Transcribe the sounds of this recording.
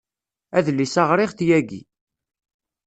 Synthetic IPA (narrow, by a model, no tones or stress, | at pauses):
æðlːisɑʁɾɪʁθjæɡḭ